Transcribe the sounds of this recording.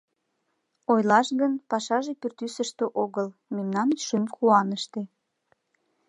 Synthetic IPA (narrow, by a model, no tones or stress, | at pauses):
ojlɑʃɣənpɑʃɑʒepyrt̪ysəʃt̪eʔoɣəlmemnɑnʃymxuɑnəʃt̪e